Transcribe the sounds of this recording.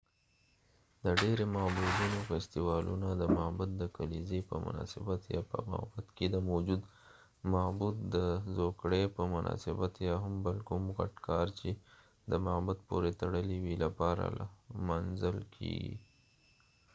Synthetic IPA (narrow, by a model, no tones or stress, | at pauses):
d̪əɖeɾemabud̪unofɛst̪iwɑlʔṵnad̪əmabʊt̪̚d̪əkalizepə̰mʊ̰nɑ̰sɪbat̪jɑpə̰ma̰bʊt̪ked̪əmawd͡ʒud̪ | mabut̪̚d̪əzokɽepəmʊnʔɑ̰sɪbat̪jɑɦambalkumɣa̰ʈkɑɾt͡ʃe | d̪əmabat̪poɾet̪aɽəliwilapɑɾa̰lamanzəlkʰḛɡḭ